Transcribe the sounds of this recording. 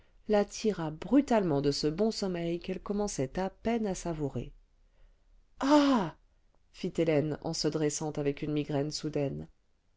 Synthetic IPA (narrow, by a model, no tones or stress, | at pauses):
lat̪ʰiʁabʁyt̪almɑ̃d̪əsəbɔ̃sɔmɛjkɛlkɔmɑ̃sɛt̪apɛnasavuʁḛ | a | fit̪elɛnɑ̰̃səd̪ʁɛsɑ̃t̪avɛkynmiɡʁɛnsud̪ɛn